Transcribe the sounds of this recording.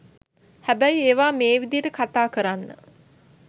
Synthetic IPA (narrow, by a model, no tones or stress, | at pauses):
hæbæjeːʋaːmeːʋid̪ijəʈəkat̪aːkəɾanːə̰